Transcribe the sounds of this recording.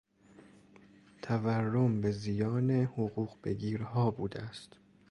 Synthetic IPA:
t̪ʰæværːombezijɒːnehoɣuːɣbe̞̰ɡʲiːɾɦɒːbuːd̪eæst̪

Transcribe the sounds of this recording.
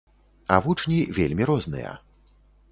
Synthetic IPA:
ɐvut͡ʂnʲivʲelʲmʲiɾɔznɨ̰jɐ̰

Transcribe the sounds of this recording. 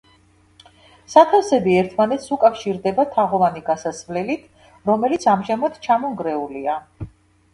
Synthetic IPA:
sat̪ʰafsɛbiɛɾt̪ʰmanɛt̪sukʼafʃiɾd̪ɛbat̪ʰaʁɔvaniɡasasvlɛlit̪ʰ | ɾɔmɛlit̪sʰamʒamat̪ʰt͡ʃʰamɔŋɡɾɛulia

